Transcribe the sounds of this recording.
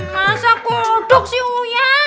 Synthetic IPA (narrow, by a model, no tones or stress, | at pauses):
masakoɖ̥ʊk̚siuja